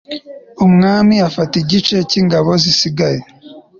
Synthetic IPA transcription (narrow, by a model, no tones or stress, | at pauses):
umŋaːmiafatiɟit͡ʃe̞ciŋɡaβo̞zisiɡaje